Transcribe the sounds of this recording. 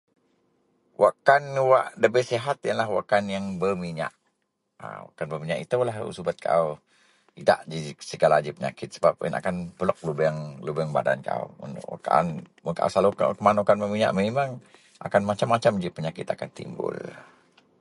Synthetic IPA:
wʔa̰ʔkanwaʔləbəsiɦat̪̚jənlahwaʔkanjaŋbərmiɲa̰ʔ | a̰wa̰kanbəmiɲaʔit̪əwlaɦsubət̪̚kʰa̰w | ida̰ʔd͡ʒisəɡalad͡ʒipəɲa̰kɪt̪̚səbap̚ə̰nʔa̰kanpəlɔk̚lubəŋləbəŋba̰da̰nka̰uṵnʔwa̰kaa̰n | məka̰saloka̰kəmanukanbəmiɲa̰ʔmemaŋ | ʔa̰kanmat͡ʃamːat͡ʃamd͡ʒipəɲakɪt̪akant̪ḭmbʊ̰l

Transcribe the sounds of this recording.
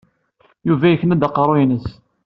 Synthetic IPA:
juvæjəçnæd̪əqːɾˤojnəs

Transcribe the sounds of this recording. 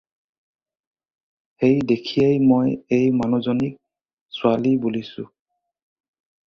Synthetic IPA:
hejdekʰijejmojejmanɔzɔnik̚ | sʊalibolisʊ̰

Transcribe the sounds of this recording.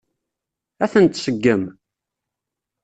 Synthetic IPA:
æθənt̪səɡːəm

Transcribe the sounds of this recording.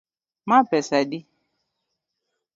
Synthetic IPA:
mãpɛsadi

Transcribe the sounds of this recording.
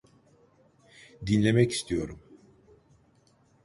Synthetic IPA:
d̪inlʲe̞mɛci̥st̪ʰijo̞̰ɾum

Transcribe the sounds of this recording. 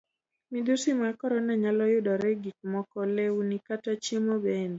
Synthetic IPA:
mid̪usimakɔɾɔnaɲalɔjʊdɔɾɛɡik̚mɔkɔlewnikatat͡ʃjemobɛnd

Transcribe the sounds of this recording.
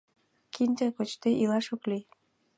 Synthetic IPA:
kʰinʲt̪akot͡ɕt̪eʔilɑʃokli

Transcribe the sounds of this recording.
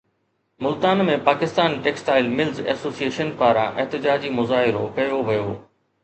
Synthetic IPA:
mʊlt̪aːnmẽpaːkɪst̪aːnʈeːksʈaːɪlmɪlzɛ̰ːsoːsieːʃənpaːɾã̰ʔɛɦt̪ɪd͡ʑaːd͡ʑimʊzaːɦɪɾo̰kɐjoʋɐjoː

